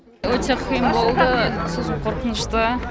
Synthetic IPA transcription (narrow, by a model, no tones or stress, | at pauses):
wɵt̪eqʰəjəmbo̞lˠd̪əsozəqʰoɾqənəʃt̪ə